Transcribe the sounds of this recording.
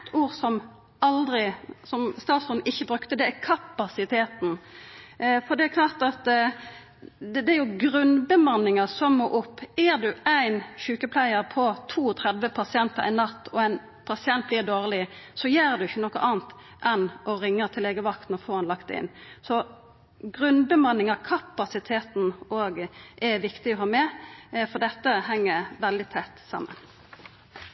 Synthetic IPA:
t̪ʰuːɾsɔm | ʔɑld̪ɾɪsɔmst̪ɑːt̪sʉɾnʔɪçːəbɾʉkt̪əd̪ɛækʰɑpɑsɪt̪ʰeːt̪n̩ | fɔd̪ɛækʰlɑːʁt̪ɑt̪ | d̪ɛæɾjʊɡɾʉnbəmɑnɪŋɑsɔmmoːʔʊpːæɾd̪ʉæɪnçʉːkəpʰlæɪəɾpʰɔt̪ʰuːt̪ʰʁɛd̪ʋəpʰɑsɪɛnt̪əɾɪnɑt̪ːɔæɪn | pʰɑsɪɛnt̪̚bliːʁd̪oːʁlɪsɔjæːɾd̪ʉɪçːənɔkːəʔɑːnt̪ | ʔɛnʔɔɾɪŋːət̪ʰɪleːɡəʋɑk̚t̪n̩ɔfoːɑnlɑkt̪̚d̪ɛ̰ɪ̰nːsɔ | ɡɾʉnbəmɑnːɪŋɑʁkʰɑpːɑsɪt̪ʰeːt̪n̩oːɡʔɛʋɪkt̪ɪɔɦɑːmɛfɔd̪ɛt̪ːəɦɛŋːəʋɛld̪ɪt̪ʰæt̪ːsɑ̰mːə̰n

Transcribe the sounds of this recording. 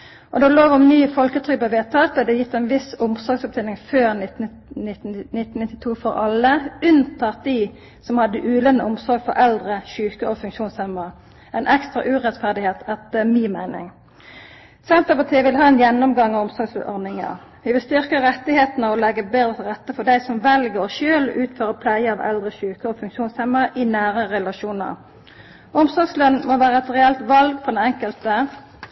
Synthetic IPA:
ʔɔd̪ɛloːʋɔmnyːfɔlkət̪ʰʁʏk̚bɑʋeːt̪ʰɑːt̪ɛd̪ɛjɪt̪ːæɪnʋɪsʊmsɔɾɡsɔp̚d̪eːlɪŋføːʁnɪ | ɪt̪nɪt̪ːn̩ɪt̪ːɪ̥t̪ʰuːfɔʁɑləʉnt̪ʰɑːt̪̚d̪i | sɔmhɑd̪ːəʔʉːlənəʊmsɔɾɡfɔɾʔɛld̪ʁəɕʉːkəʔɔfʉŋʃuːnsɛmɑ | æɪnʔɛkst̪ʁɑ̰ʔʉːʁɛt̪fæʁd̪ɪheːt̪ʰɛt̪əmiːmæɪnɪ̰ŋ | sɛnt̪əpɑt̪ʰiːəʋɪlɦɑːɛnjɛnːɔmɡɑŋːɑɔmsɔɡsl̰ʔɔʁnɪŋə̰ | ʋɪʋɪlst̪ʏʁkəʁɛt̪ːɪheːt̪nəɔlɛɡːəbeːd̪ʁət̪ʰlʁɛt̪ːəfɔd̪æɪsɔmʋɛlɡəɔʃøːlʉːt̪føːʁəpʰlæɪəɑʋɛ̰ld̪ʁəɕʉːkəoːfʉŋkʃuːnshɛmːəʁɪnæːɾəʁɛlɑʃuːnə̰ʁ | ɔmsɔɾɡslœnːmoʋæːɾəɛt̪ʁɛɛlt̪ʋɑlɡfɔd̪ɛnɛŋkəlt̪ə

